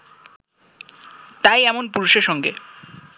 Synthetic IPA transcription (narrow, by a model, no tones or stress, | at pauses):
t̪ajɛmonpuɾuʃeɾʃɔŋɡḛ